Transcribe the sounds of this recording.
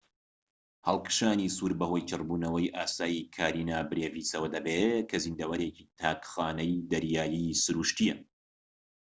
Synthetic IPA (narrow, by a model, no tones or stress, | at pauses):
hɐlˠkɨ̥ʃaːnisuːɾbɐho̞jt͡ʃʰɨrbuːnɐwɐjʔaːsaːjikʰaːɾiːnabɨɾeːvisɐwɐd̪ɐbekʰɐzind̪ɐwɐɾecit̪ʰaːkxaːnɐjd̪ɐɾjaːjisɨɾuːʃt̪ijɛ